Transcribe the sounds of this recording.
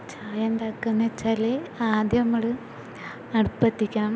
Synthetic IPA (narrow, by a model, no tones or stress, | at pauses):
t͡ɕaːjenɖ̪aːkːunːɐt͡ɕːaːleaːd̪jɐmːɐɭɨ | ɐɽupːɐt̪ːikʲːɐɳɐm